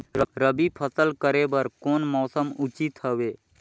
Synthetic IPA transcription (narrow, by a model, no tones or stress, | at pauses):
ɾəɾəbipʰəsəlkəɾebəɾkoːnmɔːsəmʊt͡ʃit̪ɦəʋeː